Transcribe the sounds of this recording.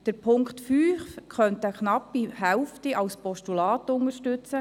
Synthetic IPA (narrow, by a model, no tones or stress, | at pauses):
d̥əɾpʰʊŋktfyːfkʰχœntəknɑpːihɛwftiʔɑwspɔʃtulɑːtʊŋəɾʃtʉt͡sə